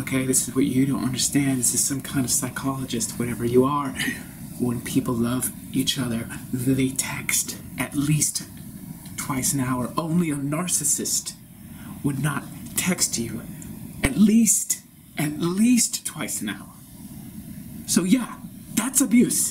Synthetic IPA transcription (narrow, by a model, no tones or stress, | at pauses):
oʊkʰeɪðɪsɨzwʌt͡ʃɨɾõʊ̃nʔʌ̰̃ndə˞stæ̃ndzɨz̥sʌ̃mkʰãɪ̃ndʌv̥saɪkʰɑlˠəd͡ʒɨstswʌɾɛvə˞jəə˞ | wə̃npʰipl̩ˠlʌv | ʔit͡ʃʌðə˞ðeɪtʰɛkstʔɨtˡlist | tʰw̥aɪsɨ̃naʊə˞ʔõʊ̃nliɨnɑɹsɨsɨst | wədⁿnətʰɛkst͡ʃɨɨtˡlist | ʔɨtˡlistʰw̥aɪsɨna̰ʊə˞ | soʊjæðætsəbjʉs